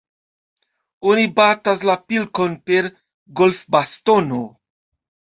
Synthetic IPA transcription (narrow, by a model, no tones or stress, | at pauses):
onibat̪aslapilkonpeɾ | ɡolfbast̪ono